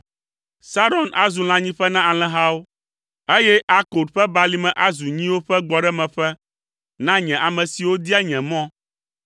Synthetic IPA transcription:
sa˦ɾɔ˨nʔa̰˨zu˨l̃ã˦ɲĩ˦ɸɛ˦nã˦a˨l̃ɛ̃˦ɦa˦wo˦ | e˦jɛ˦ʔa˦ko˨d̪ɸɛ˦ba˨li˦mɛ̃˨ʔa˦zu˨ɲĩ˦wo˦ɸɛ˦ɡ͡bɔ˨ɖɛ˦mɛ̃˨ɸɛ˦ | nã˦ɲɛ̃˨ʔa˨mɛ̃˨si˨wo˦d̪i˦a˦ɲɛ̃˨mɔ̃˦

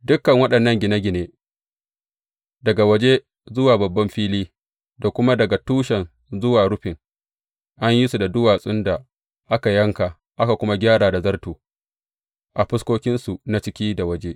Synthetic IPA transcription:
dʊ˦kːɐ˨ŋwɐ˦ɗɐ˨nːɐ˦ŋɡʲɪ˨na˦ɡʲɪ˨neː˦ | dɐ˨ɡa˨wɐ˦d͡ʒe˦ | zʊ˦waː˨bɐ˨bːɐ˦mɸiː˦liː˦ | da˨kʷʊ˦ma˦dɐ˨ɡa˨tuː˦ʃɛ˨n | zʊ˦waː˨ɽʊ˦ɸɪ˨ŋ | ʔa˦ɲji˦su˨da˨dʊ˦waː˨sʼʊ˦nda˨ | ʔa˦ka˨jɐ˦ŋka˨ | ʔa˦ka˨kʷʊ˦ma˦ɡʲaː˦ɽaː˨da˨zɐ˦rtuː˨ | ʔa˨ɸɪ˦skʷoː˦kʲɪ˦nsu˨na˦t͡ʃɪ˦kʲiː˦da˨wɐ˦d͡ʒe˦ʔ

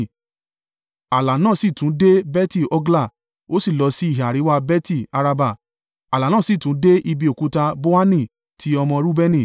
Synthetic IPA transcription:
a˨la˨nãː˦˨si˦˨tũ˨˦de˦bɛ˦ti˦˨ɔ˧ɡla˦˨ | o˦si˦˨lɔ˧˦si˦i˦˨ɦa˨ɾi˨˦wa˦bɛ˦ti˦˨a˧ɾa˧ba˦˨ | a˨la˨nãː˦˨si˦˨tũ˨˦de˦ʔi˧bi˧o˨ku˨˦ta˧bo˦a˦nĩ˦˨ | tʰi˨˦ɔ˧mɔ̃˧ɾu˦bɛ˦nĩ˦˨

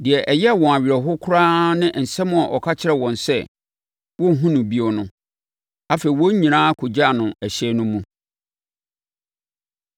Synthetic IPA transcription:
dɪ˨ɛ˨ʔɛ˨jɛ˦˨wɔ̃˨a˨ɥɪ˨ɾɛ˨ɦʊ˦kʰʊ˦ɾaː˦nɪ̃˦n̩˨sɛ˦mʊ̃˦a˨ʔɔ˨kʰa˦t͡ɕʰɪ˦ɾɛ˦wɔ̃˨nsɛ˦ | wɔ̃˦˨ɦũ˦nʊ̃˨bi˦o˨nʊ̃˦ | a˦fe˨i˨wɔ̃˦ɲĩ˨nãː˦kʰʊ˨d͡ʑa˦˨nʊ̃˨ɛ˨ɕɛ˦nʊ̃˦mũ˦

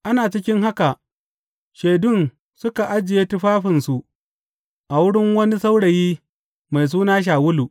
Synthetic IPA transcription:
ʔa˦naː˨t͡ʃɪ˦kʲɪ˦ŋɦa˦ka˨ʔ | ʃe˨dʊ˦˨n | sʊ˦ka˨ʔa˦d͡ʒɪ˨jeː˦tʊ˦ɸaː˦ɸɪ˨nsu˨ʔ | ʔa˨wʊ˦ɽɪ˦ŋwɐ˦ni˦sa˦wɽɐ˨jiː˦ | ma˨js̬uː˦naː˦ʃ̬aː˨wʊ˦lu˨ʔ

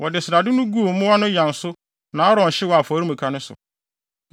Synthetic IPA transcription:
wɔ˨dɪ˨sɪ˨ɾa˨dɪ˦nʊ̃˦ɡu˦˨˦mʊ̃˦wɔ˦nʊ̃˦jã˨n̩˨sʊ˦ | nã˨˦a˦ɾɔ̃˨n̩˨ɕɪ˦wɔ˨a˨fɔ˨˦ɾi˦mũ˨kʰa˦nʊ̃˦sʊ̰˨

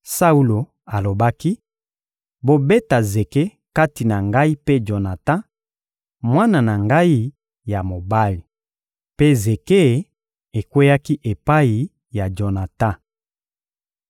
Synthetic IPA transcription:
sa˦u˦lo˨ | a˨lo˨ba˦ki˦ | bo˦be˦ta˨ze˨ke˦ | ka˦ti˨na˨ŋɡa˦i˦pe˦d͡ʒo˨na˨tã˦ | mwa˦na˨na˨ŋɡa˦i˦ | ja˨mo˨ba˦li˨ | pe˦ze˨ke˦˨ | e˨kwe˦ja˦ki˦ʔe˨pa˦i˨ | ja˨d͡ʒo˨na˨ta˦

